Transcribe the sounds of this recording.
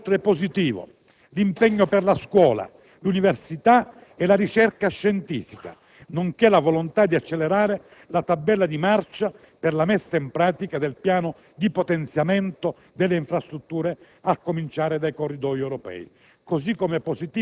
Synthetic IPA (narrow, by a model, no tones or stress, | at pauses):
t̪ɾɛpːozit̪iːvo̰ | limpɛɲːopɛrlaskwɔːla̰ | lunivɛrsit̪a | ɛlaɾit͡ʃɛrkaʃːɛnt̪ḭːfika̰ | noŋkɛlavɔlont̪ad̪iat͡ʃːɛlːeɾaːɾe | lat̪abːɛlːad̪imart͡ʃa | pɛrlamɛsːaimpɾaːt̪ikad̪ɛlpjaːno | d̪ipot̪ɛnt̪sjamɛnt̪o | d̪ɛlːeiɱfɾast̪ɾut̪ːuːɾe | akːomint͡ʃaːɾɪd̪ajkorːid̪ɔjɛwɾɔpɛ̰ːi | kosikːomɛpːozit̪iː